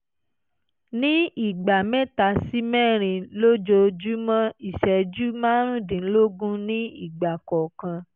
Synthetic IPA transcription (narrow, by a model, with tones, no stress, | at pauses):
nĩ˦i˦˨ɡ͡ba˨mɛ̃˦˨ta˧˦si˦mɛ̃˦˨ɾ̃ĩ˧lo˦d͡ʒo˧d͡ʒu˦mã˦i˦˨ʃɛ˨d͡ʒu˦mã˦ɾ̃ũ˦˨dĩ˨˦lo˦ɡũ˦nĩ˦i˦˨ɡ͡ba˨kɔ˨kã˧